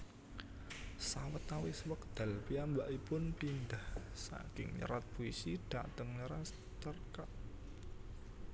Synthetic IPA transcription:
sawət̪awɪsəwəkd̪̥a̤lpiambaʔipʊnt̪ind̪ahsa̰ɡ̥ɪŋɲə̰ɾat̪̚b̥uisid̪̥at̪əŋɲəɾas | t͡ʃərkaʔ

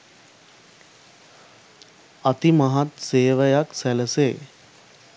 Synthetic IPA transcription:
ɐt̪imɐɦat̪seːʋəjaksæləseː

